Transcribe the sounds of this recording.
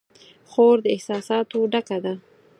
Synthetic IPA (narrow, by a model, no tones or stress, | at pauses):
xoɾd̪əɪhsɑsɑt̪oɖakad̪a